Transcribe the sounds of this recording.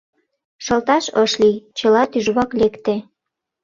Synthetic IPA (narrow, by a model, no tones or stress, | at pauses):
ʃəlt̪ɑʃəʃlijt͡ɕəlɑt̪yʒβɑklekt̪e